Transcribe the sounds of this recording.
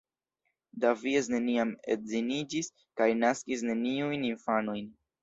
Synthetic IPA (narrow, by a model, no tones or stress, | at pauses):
daviesne̞niamezinid͡ʒis | kajnaskis̬ne̞niujninfanojn